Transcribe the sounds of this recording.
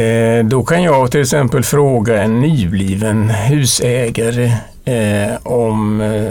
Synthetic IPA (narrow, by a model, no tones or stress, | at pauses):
d̪ɔkʰanjɑɡt̪ʰɪlːɛksɛmpəlfɾoːɡaɛnːyːbliːvənɦʉ̟ːsɛːɡaɾə | ɔm